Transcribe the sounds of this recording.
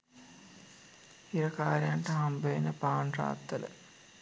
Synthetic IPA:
iɾɐkaːɾjaːnʈɐɦɐmbeːnɐpaːɳra̰ːt̪ːɐlə̰

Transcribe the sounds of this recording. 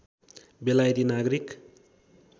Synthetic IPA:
belajɾinaɡɾik

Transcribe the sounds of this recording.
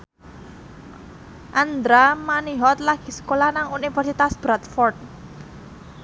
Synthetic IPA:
ʔand̪ɾamaniɦɔt̪̚laɡ̥i̤sə̥kolanaŋunifɛrsit̪asb̥ɾat̪fɔrt̪̚

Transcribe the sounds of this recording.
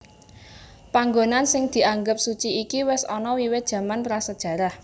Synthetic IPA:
paŋɡonansɪŋd̪̥i̤aŋɡəp̚sut͡ʃiikiwɪsɔnɔwiwɪt̪̚d̥ʒ̥ä̤manpɾasəd̥ʒ̥ä̤ɾah

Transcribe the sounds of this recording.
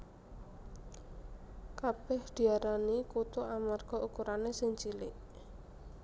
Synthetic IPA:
kab̥ɛhd̪̥i̤aɾanikut̪uʔamarɡ̥ɔ̤ʔukuɾanesɪŋt͡ʃilɪʔ

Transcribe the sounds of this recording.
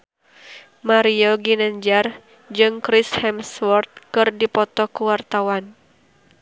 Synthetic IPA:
maɾiɔɡinaɲd͡ʒar | d͡ʒɨŋkɾɪshɛmswɔrt̪̚kɨrdipɔt̪ɔkuwart̪awan

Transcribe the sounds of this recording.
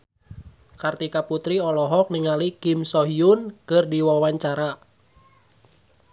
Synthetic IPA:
kart̪ikaput̪ɾiɔlɔɦɔk̚niŋalikimsɔɦiunkɨrdiwawaɲt͡ʃaɾa

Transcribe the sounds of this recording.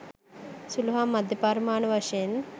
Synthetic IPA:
suluɦamːɐd̪ʱjɐpaɾmaːɳɐʋɐʃen

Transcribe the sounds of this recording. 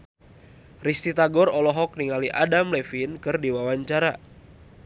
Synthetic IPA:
rist̪it̪aɡɔrɔlɔɦɔk̚niŋaliʔadamlɛfinkɨrdiwawaɲt͡ʃaɾa

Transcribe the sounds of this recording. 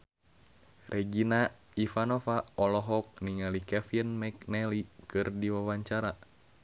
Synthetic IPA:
rʔɛɡina | ifanofaɔlɔɦɔk̚niŋalikɛfinmɛk̚nɛlikɨrdiwawaɲt͡ʃaɾa

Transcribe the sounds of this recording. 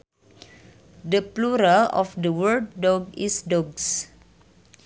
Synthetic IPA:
dəpluɾaɔfdəwəld̚ːɔɡisdɔɡs

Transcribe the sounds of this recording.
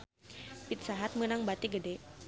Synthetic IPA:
pit̪̚saɦat̪̚mənaŋbat̪iɡədɛ

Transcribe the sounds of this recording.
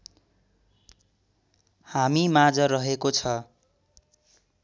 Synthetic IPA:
hamimad͡zʌɾʌɦekot͡sʰʌ

